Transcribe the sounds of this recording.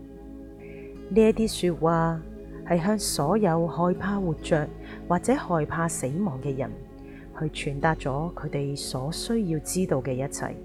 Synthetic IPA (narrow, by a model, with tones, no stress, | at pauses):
niː˥ɐt̪iː˥syː˧t̚waː˨˧ | hɐ˨jɦœː˧ŋsɔː˨˥jɐ˨˧whɔː˨˧jpʰaː˧wuː˨t̚t͡ʃœː˧k̚ | waː˨t̚t͡sɛː˨˥hɔː˨jpʰaː˧se˨˥jmɔː˨˩ŋkɛː˧jɐ̰˨˩n | hɵ˧ɥt͡ʃʰyː˨˩nt̪aː˧t̚t͡sɔː˨˥kʰɵ˨˧ɥt̪e˨jsɔː˨˥sɵ˥ɥjiː˧wt͡siː˥t̪o˧wkɛː˧jɐ˥t̚t͡sʰɐ̰˨˩j